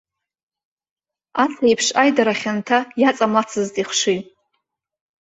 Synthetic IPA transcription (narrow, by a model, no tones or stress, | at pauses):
asʰajpʰʂajdaɾaχʲantʰajat͡sʼamlat͡sʰɨztʼiχʷʂijʼ